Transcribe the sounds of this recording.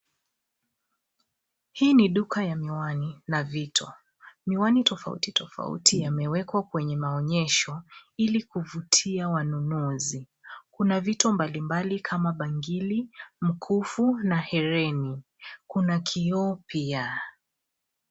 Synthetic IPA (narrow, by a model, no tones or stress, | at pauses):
hiːniɗukajamiwaninavitʰɔ | miwanitɔfa̰ṵtitɔfa̰ṵtʰijamɛwɛkwakwɛɲɛmaɔɲɛʃɔilikuvutʰiawanunuzi | kunavitɔmbalimbalikʰamaɓaŋɡilim̩kʰufunahɛɾɛni | kunakʰiɔpia